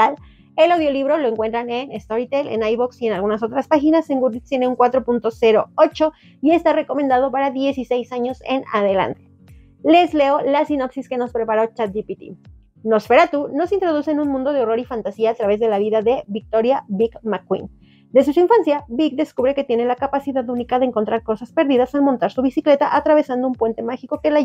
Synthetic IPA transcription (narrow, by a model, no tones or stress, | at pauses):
al | e̞lawðjo̞liβ̞ɾo̞lo̞e̞ŋkwe̞nt̪ɾane̞nest̪o̞ɾit̪elḛnajβoksie̞nalɣunas̬o̞t̪ɾaspaxinase̞ŋɡuɾlit̪t̪je̞neuŋkwat̪ɾo̞punt̪o̞se̞ɾo̞ot͡ʃo̞ | ie̞st̪are̞ko̞mẽ̞nd̪að̞o̞paɾaðje̞sise̞jsaɲo̞se̞̰na̰ð̞e̞la̰nt̪e̥ | le̞zle̞olasino̞psiske̞no̞spɾepaɾo̞t͡ʃat̪̚d̪ipit̪ḭ | no̞sfe̞ɾat̪uno̞sint̪ɾo̞ð̞useːnũnmũnd̪o̞ðeo̞ro̞ɾifant̪asiaːt̪ɾaβe̞zðe̞laβiðaðe̞βik̚t̪o̞ɾjabikmakwḭn | d̪es̬usiɱfansjabikd̪e̞skuβɾe̞ke̞t̪je̞ne̞lakapasiðaðunikaðeːŋko̞nt̪ɾaɾko̞saspe̞ɾðiðasalmont̪aɾsuβisikle̞t̪aʔat̪ɾaβ̞e̞sand̪o̞umpwe̞nt̪e̞maxiko̞ke̞la